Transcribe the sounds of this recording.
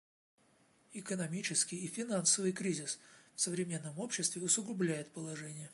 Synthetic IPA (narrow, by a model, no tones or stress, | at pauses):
ɪkənɐmʲit͡ɕɪskʲɪjifʲɪnansəvɨjkɾʲizʲɪsfsəvɾʲɪmʲe̞nːəmo̞pɕːɪst̪vʲɪʊsʊɡʊblʲæjɪt̪̚pəlˠɐʐɛnʲɪjə